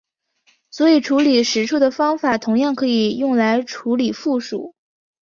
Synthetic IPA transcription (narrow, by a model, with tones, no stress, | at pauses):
swɔ˧˥i˨˩ʈ͡ʂʰu˧˥li˨˩ʂɻ̩˧˥ʈ͡ʂʰu˥˩d̪ə˩fɑ˥ŋfa˨˩t̪ʰʊ˧˥ŋjɑ˥˩ŋkʰɤ˧˥i˨˩jʊ˥˩ŋla˧˥ɪʈ͡ʂʰu˧˥li˨˩fu˥˩ʂṵ˨˩˦